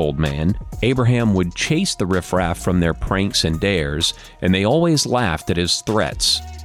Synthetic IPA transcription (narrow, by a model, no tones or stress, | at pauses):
oʊlˠd̚mæ̃neɪbɹəɦæ̃mwəd̚t͡ʃʰeɪsðɨɹɪfɹæffɹʌ̃mðə˞pʰɹ̥æ̃ŋksɨ̃ndɛɹz | ʔɨ̃nðeɪɔlˠwizlæftɨt̚hɨz̥θɹɛ̰ts